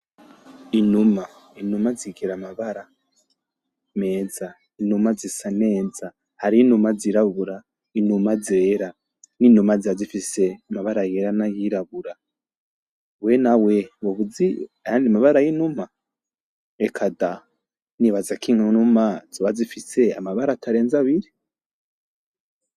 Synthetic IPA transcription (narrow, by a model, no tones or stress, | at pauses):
inuma | inumaziɡeɾamaβaɾa | meːd͡za | inumazisaneːd͡za | haɾinumaziɾaβuɾa | inumad͡zeɾa | ninumazazifise̞amaβaɾajeɾanajiɾaβuɾa | wenawewoβuziajaːndimaβaɾajinuma | ekʰada | niβazakʰiŋunumazoβazifise̞a̰maβaɾatʰaɾe̞ːnzaβiɾi